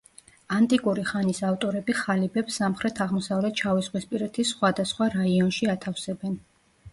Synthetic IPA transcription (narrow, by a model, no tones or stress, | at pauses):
ant̪ʼikʼuɾiχanisaft̪ʼɔɾɛbiχalibɛpsːamχɾɛt̪ʰaʁmɔsavlɛt̪̚ʰt͡ʃʰavisʁwispʼiɾɛt̪ʰisχwad̪asχwaɾaiɔnʃiat̪ʰafsɛbɛn